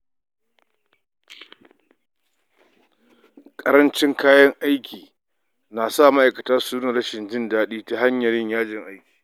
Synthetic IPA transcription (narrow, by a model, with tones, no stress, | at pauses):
kʼɐ˦ɾɐ˦nt͡ʃɪ˦ŋkʰaː˦jɐ˦ŋʔa˦jkʲʰiː˨ | naː˨sa˦˨ma˦ʔa˨jkɐ˨taː˦suː˦nɪ˨ɽɐ˦ʃɪ˨nd͡ʒɪ˦ndaː˦ɗiː˦ta˦ɦa˦ɲjɐ˨ɾɪ˦ɲjaː˦d͡ʒɪ˨ŋʔa˦jkʲi̥ː˨